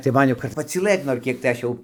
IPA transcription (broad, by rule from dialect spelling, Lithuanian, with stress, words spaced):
tɐɪ ˈmɐn jɛʊ kɐt pɐt͡sʲiːˈlˠɘt noːr ˈkʲiɛk tɐɪ ˈɐʃ jɛʊ